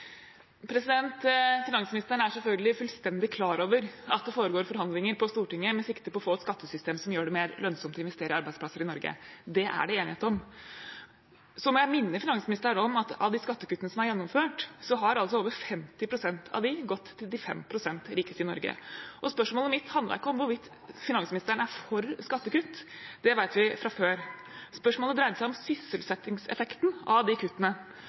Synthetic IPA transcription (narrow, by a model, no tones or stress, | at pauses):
pʰɾɛsɪd̪ɛnt̪fɪnɑŋsmɪnɪst̪əɳ̩æʂsɛlfœlɡəlɪfʉlst̪ɛnd̪ɪkʰlɑːɾoːʋəɾɑt̪̚d̪ɛfoːɾəɡoːɾfɔɾɦɑnd̪lɪŋəɾpʰɔst̪uːʈɪŋːəmɛsɪkt̪əpɔfoːɛt̪skɑt̪ʰːəsʏst̪eːmsɔmjøːɖɛmeːɾlœnsɔmt̪ɔɪnʋɛst̪eːɾəɑɾbæɪd̪splɑsəɾɪnɔɾɡə̰d̪ɛʔæ̰ɖɛeːnɪheːt̪əɔm | sɔmɔjæɪmɪnːəfɪnɑŋsmɪnɪst̪əɾəɳɔmɑt̪ɑ̰ʋd̪iːskɑt̪ːəkʉt̪ːənəsɔmæɾjɛnːɔmføːʈsɔɦɑɾɑls̬ɔoːʋəɾfɛmt̪ɪpʰɾʊsɛnt̪ʰɑ̰ʋd̪ɪɡɔt̪ːʰɪld̪ɪfɛ̰mpʰɾʊsɛnt̪ɾɪːkəst̪ɪnɔ̰ɾɡə̰ʔɔspœʂmoːləmɪt̪ːhɑnd̪lɑ̰ɾɪkːəɔmʋʊɾʋɪt̪ː | fɪnɑŋsmɪnɪst̪ɾəɳæɾfɔɾskɑt̪ːəkʉt̪ːd̪̥ɛʋæɪt̪ʋɪfɾɑføːɾspœʂmoːləd̪ɾæɪd̪əsæɪɔmsʏsəlsɛt̪ːɪŋsɛ̰fɛkt̪n̩ʔɑʋd̪ɪkʰʉt̪ːənə